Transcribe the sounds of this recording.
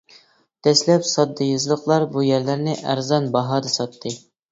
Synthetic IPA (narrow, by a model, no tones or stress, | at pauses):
d̪̥ɛslɛpsɑd̪ːɨjɨzlˠəqlˠɑɾbujæɾlæɾnɪʔæ̰ɾzɑnbɑɦɑːd̪ɑsɑt̪ʰːɨ